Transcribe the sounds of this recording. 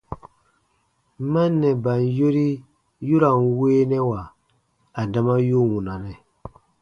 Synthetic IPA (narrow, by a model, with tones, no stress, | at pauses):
ma˦nːɛ˨ba˨n˨jo˦ɾi˦ | ju˦ɾa˨n˨weː˦nɛ˦wa˨ | a˨da˨ma˦jo˦wũ˨na˨nɛ˨